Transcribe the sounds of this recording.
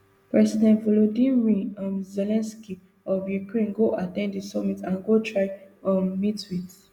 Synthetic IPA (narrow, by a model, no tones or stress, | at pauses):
pɹɛsidɛ̃ntvɔlodĩɹĩɔ̃mzelɛ̃nski | ɔvjukɹẽnɡoʔatɛ̃nddisɔmitãnɡotʰɹaɪɔmmitwiθ